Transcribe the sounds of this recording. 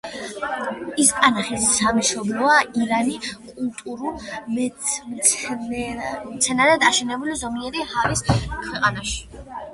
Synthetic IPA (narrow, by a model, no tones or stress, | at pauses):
isk̪ʼanaχisːamiʃɔblˠɔaiɾanikʼulˠt̪ʼuɾumɛm | mt̪sʰɛnaɾɛd̪aʃɛnɛbulizɔmiɛɾihaviskʰwɛqʼanaʃi̥